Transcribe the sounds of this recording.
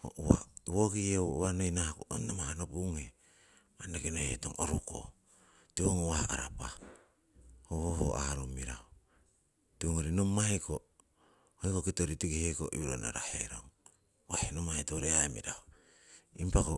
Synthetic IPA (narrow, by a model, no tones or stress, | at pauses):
ho̰ʔua̰wokiewwanojnahakuʔo̰nːomahanopuŋhe | manekinoheto̰ŋoɾuko̰ | tioŋowahaɾapa | hohoho̰ʔaɾomiɾao | tioŋoɾinomajko | hoikokitoɾitiɡiheko̰ʔḭɾo̰na̰ɾahḛɾoŋ | wahenomaetoɾeamḭɾao | impako